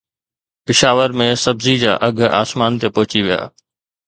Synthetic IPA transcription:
pɪʃaːʋəɾmẽsɐbzid͡ʑa̰ːʔɐɡʱa̰ːsmaːnt̪epɐɦɪt͡ɕiʋija̰ː

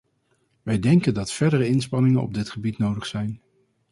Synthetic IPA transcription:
ʋɛjdɛŋkəndɑtfɛɹdərəɪnspɑnɪŋənɔ̰b̚dɪtχəbitnowdəχsɛjn

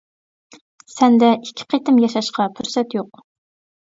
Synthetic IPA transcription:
sɛnd̪ɛʔikʲʰːɪ̥qʰet̪ɪmjɑʃɑʃqɑpʰyɾsɛt̪joq̚

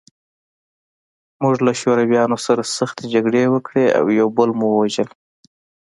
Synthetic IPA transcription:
muʐlaʃoɾawjɑnosaɾasaxt̪ed͡ʒaɡɽewəkɽea̰wjawbəlmuwəwaʒəl

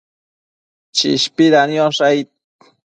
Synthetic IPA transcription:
t͡ʃḭʃpiɾanjoʂajt̪̚

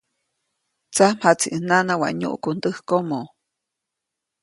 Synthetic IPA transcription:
t͡sam̥hat͡siʔənanawa̰ʔɲṵʔkund̪əhkomo

